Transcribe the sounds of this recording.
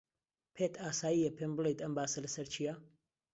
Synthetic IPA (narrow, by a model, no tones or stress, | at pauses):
pʰet̪ʰaːsaːjijɐpʰemblˠejt̪ɐmbaːsɐlɐsɐɾt͡ʃʰijɐ